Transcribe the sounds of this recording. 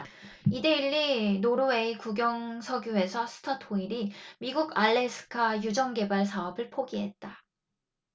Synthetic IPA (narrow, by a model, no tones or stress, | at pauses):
ide̞iɭːinoɾowe̞ikuɡjʌŋsʰʌɡjuɦe̞sʰʌsʰɯ̥tʰatʰoiɾimiɡuɡaɭːe̞sʰɯ̥kʰajud͡ʑʌŋɡe̞baɭsʰaʌbɯɭpʰoɡiɦe̞t̚t͈a